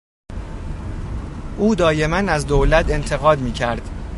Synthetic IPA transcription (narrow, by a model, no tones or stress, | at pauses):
ʔuːd̪ɒːje̞mænæzd̪owlæt̪ʰe̞nt̪ʰe̞ɣɒːd̪miːcʰæɾd̪̥